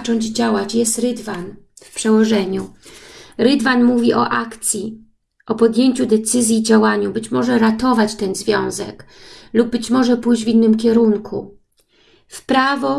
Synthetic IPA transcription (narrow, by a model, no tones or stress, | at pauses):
t͡ʂɔɲd͡ʑd͡ʑawat͡ɕjɛst̪ɾɘd̪van | fpʂɛwɔʐɛɲu | ɾɘd̪vanmuvʲiʔɔ̰ʔakt̪sʲji | ʔɔpɔd̪ʲjeɲt͡ɕud̪ɛt̪sɘzʲjid͡ʑawaɲubɘt͡ɕmɔʐɛɾat̪ɔvat͡ɕt̪ɛnzvʲjɔ̃w̃zɛ̰klub̚ːɘt͡ɕmɔʐɛpujd͡ʑvʲinːɘmkʲɛɾuŋkʰṵ | fpɾavɔ